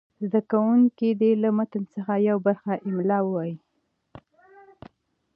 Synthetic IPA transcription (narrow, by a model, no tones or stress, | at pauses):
zd̪akawuŋkid̪elamat̪ənsəxajawbaɾxaʔɪmlɑwwɑji